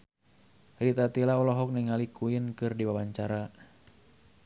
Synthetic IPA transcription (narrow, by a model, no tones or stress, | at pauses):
ɾit̪at̪ilaɔlɔɦɔk̚niŋalikuɪnkɨrdiwawaɲt͡ʃaɾa